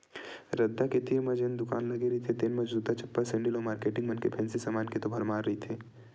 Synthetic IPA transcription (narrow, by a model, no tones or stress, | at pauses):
ɾɐd̪ːaket̪imɐd͡ʒend̪ʊka̰ːnlɐɡeɾɐit̪ʰet̪enmɐd͡ʒbuːd̪at͡ʃɐpːəɾsɛ̃ɳɖilomaːɾkeːʈɪ̃ŋɡmɐnkepʰɛ̃ːnsisɐmaːnket̪obʱɐɾmaːɾːɐɦit̪ʰeː